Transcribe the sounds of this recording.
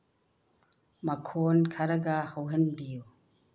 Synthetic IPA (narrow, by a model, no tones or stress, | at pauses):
mɐkʰonkʰɐɾɐɡɐhɐwɦɐnbiju